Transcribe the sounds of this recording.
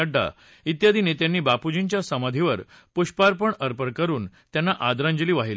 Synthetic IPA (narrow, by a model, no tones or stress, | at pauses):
aɖːa̰ | it̪jad̪ʱinet̪janːiːbapud͡ʑint͡ɕjasəməd̪ʱiʋəɾpuɕpaɾpəɳəɾpəɾkəɾuːnt̪janːaʔad̪ɾãɲd͡ʑəliːʋaɦil